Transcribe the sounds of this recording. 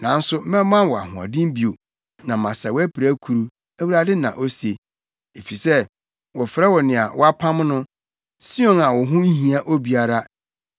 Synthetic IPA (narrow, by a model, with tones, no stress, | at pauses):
nã˨n̩˦sʊ˦mɛ̃˦mːã˦wɔ˨a̰˨hʊ̃˨a̰˨dɪ̃˦m˦bi˨o˨ | nã˨mã˨sa˨wæ˦pʰɪ˨ɾæ˦kʰu˨ɾu˦ | æ˦wu˨ɾa˦dɪ˦nã̰˨ʔo˦se˨ | e˨fi˨sɛ˦ | wɔ˨fɾɛ˦wɔ˨nɪ̃˨a̰˨wɔ˦a˦pʰã˦mnʊ̃˦ | si˦õ˦ŋa˨wɔ˨ɦʊ̃˦n̩˦ɦĩ˨˦a˦ʔo˦bi˨a˨ɾa˦